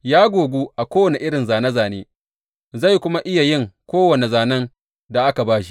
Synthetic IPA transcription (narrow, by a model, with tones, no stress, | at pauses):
jaː˦ɡʷoː˨ɡʷuː˦ʔa˨kʷoː˦wɐ˨ne˨ʔɪ˦ɽɪ˨nzaː˨nɐ˦zaː˨neː˦ | za˦˨jkʷʊ˦ma˦ʔɪ˦ja˨jɪ˦˨ŋkʷoː˦wɐ˨ne˨zaː˨nɐ˦ŋ | da˨ʔa˦ka˨baː˦ʃi̥˦